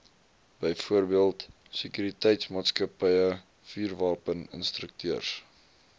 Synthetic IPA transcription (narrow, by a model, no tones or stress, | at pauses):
b̥əjfuərbiəlˠt | səkyɾitɛjtsmɑːtskəpəjə | fyːrvɑːpənə̰nst̪rək̚tyərs